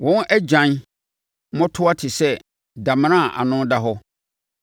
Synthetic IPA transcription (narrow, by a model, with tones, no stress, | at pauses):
wɔ̃˦n˦ʔɛ˦d͡ʑã˨n | mɔ̃˦tʰʊ˦a˦tʰɪ˨sɛ˦ | dã˨m˦nã˦˨ʔa̰˨nʊ̃˦da˦ɦɔ˦